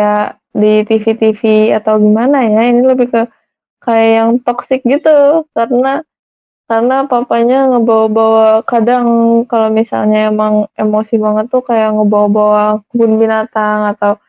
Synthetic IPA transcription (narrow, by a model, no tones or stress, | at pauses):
a | dit̪ifit̪ifiat̪awɡimanajainiləbɪhkə | kajajaŋpaksɪk̚ɡit̪ukaɾəna | kaɾənapapaɲaŋəbawabawakadaŋkalomisa̰lɲaemaŋemosibaŋət̪ːukajaŋəbawabawabʊnbinat̪aŋat̪aw